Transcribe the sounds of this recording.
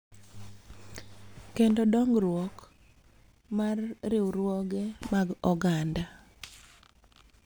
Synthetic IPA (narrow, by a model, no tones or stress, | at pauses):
kendɔdɔŋɡɾwɔk | marːɪwɾwɔɡɛmaɡɔɡanda